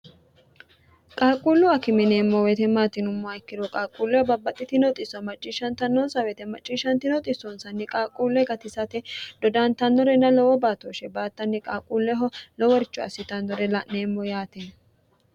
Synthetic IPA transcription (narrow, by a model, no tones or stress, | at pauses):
kʼaːkʼuːlːʊɐkɪmɪneːmːɔwɛt̪ɛmaːt̪ɪnʊmːɔɐjkːɪdɔkʼaːkʼuːlːɛhɔbɐbːɐt̪ʼːɪt̪ɪnɔt̪ʼɪsːɔmɐt͡ʃʼːiʃɐnt̪ɐnːɔnsɐwɛt̪ɛmɐt͡ʃʼːiːʃɐnt̪ɪnɔt̪ʼɪsɔnsɐnːɪkʼaːkʼːuːlːɛɡɐt̪ɪsɐt̪ɛd̪̥ɔd̪ant̪ɐnːɔɾɛnːɐlɔwɔbaːt̪oʃɛbaːt̪ːɐnːɪkʼaːkʼuːlːɛɦɔlɔwɔɾɪt͡ʃːɔɐ̰sɪt̪ɐnd̪ɔɾɛlɐneːmːɔjaːt̪ɛn